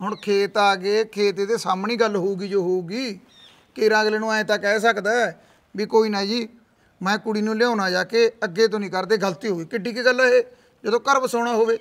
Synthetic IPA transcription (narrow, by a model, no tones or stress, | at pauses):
ɦʊɳkʰeːt̪aːɡeːkʰeːt̪eːd̪eːsaːmɳiːɡəlɦoːuːɡiːd͡ʒoːɦoːuːɡiː | keɪɾãːɡleːnũːãːt̪aːkɛːsəkd̪aːɛ | biːkoːiːnaːd͡ʒiː | mɛ̃ːkʊɽiːnũːljãːnaːd͡ʒaːkeːəɡːeːt̪̬õːnĩːkəɾd̪eːɡəlt̪iːɦoːɡiːkɪɖiːkiːɡəlːaɦeː | d͡ʒoːd̪õːkəɾpsoːɳaːɦoːʋeː